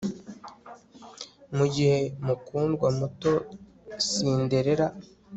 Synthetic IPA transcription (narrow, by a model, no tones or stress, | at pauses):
muɟihe̞mukuːndɡwamuto̞ | siːnde̞ɾe̞ɾa